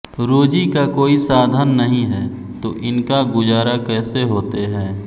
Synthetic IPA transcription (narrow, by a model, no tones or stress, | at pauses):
ɾoːd͡ʒikakoːisaːd̪ʱənːəɦĩɦɛː | t̪oʔɪnkaɡʊd͡ʒaːɾakɛːseɦoːt̪eɦɛ̃ː